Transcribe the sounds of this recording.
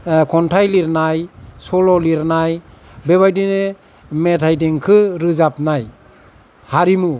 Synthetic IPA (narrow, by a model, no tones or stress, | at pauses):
kʰɔntʰajliɾnajsɔlɔliɾnaj | beβajdine | metʰajdeŋkʰɯɾɯzap̚naj | haɾimu